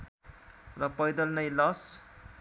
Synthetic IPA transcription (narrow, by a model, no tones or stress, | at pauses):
rʌpʌjd̪ʌlnʌjlʌs